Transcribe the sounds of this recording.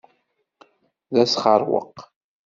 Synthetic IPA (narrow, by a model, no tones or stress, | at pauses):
ðæsχəɾˤwə̰q